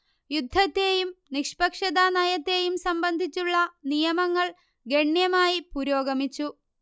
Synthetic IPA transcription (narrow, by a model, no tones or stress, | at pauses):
jud̪ʱːɐt̪ːe̞jumnikʂpɐkʂɐd̪ɐnɐjɐt̪ːe̞ːjumsɐmbɐnd̪ʱit͡ɕːuɭːɐnijɐmɐŋːɐɭ | ɡe̞ɳjɐmaːjipuɾo̞ːɡɐmit͡ɕːu